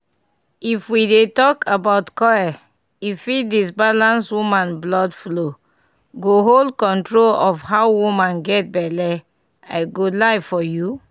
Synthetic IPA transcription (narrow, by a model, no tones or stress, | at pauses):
ifwidetɔkʰabaʊtkɔa | ifidis̬balãnswumãnblɔdflo | ɡoɦoldkɔ̃ntɹolɔfhaʊwumãnɡɛt̚bɛlɛ | a̰ɪɡolaɪfɔju